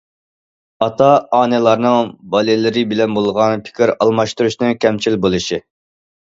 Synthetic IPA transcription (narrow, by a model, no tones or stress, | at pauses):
ɑt̪ʰɑɑːnɪlˠɑɾnɨŋbɑlɪlɪɾɪbɪlɛnbolˠʁɑnpʰɪ̥kʲʰiɾɑlˠmɑʃt̪uɾuʃnɨŋkʲʰɛmt͡ʃʰilbolˠɨʃi